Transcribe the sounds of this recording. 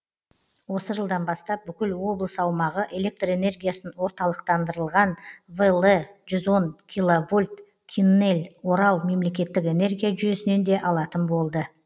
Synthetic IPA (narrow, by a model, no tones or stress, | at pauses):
wo̞səʒəlˠd̪ɑnbɑst̪ɑp̚bʏkʲɪlwo̞blˠəsəɑwmɑʁəʔe̞le̞k̚t̪re̞ne̞rɡʲijasənwo̞ɾt̪ɑlˠəqt̪ɑnd̪əɾəlˠʁɑnvəlˠeʒʏzo̞nkʲʰilˠovulʲt̪ | kʲʰinːe̞lʲwo̞ɾɑlˠme̞mle̞kʲe̞t̪ːɪke̞ne̞rɡʲijaʒʏje̞sɪne̞nd̪e̞ʔɑlˠɑt̪ənbo̞lˠd̪ə